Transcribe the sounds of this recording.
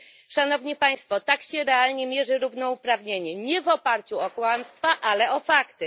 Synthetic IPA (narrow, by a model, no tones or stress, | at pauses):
ʂan̪ɔvɲipaj̃st̪fɔt̪akɕɛɾɛalɲɛmʲjɛʐɘɾuvnɔupɾavɲeɲɛɲɛvɔpaɾt͡ɕuɔkwamst̪faʔalɛʔɔfakt̪ɘ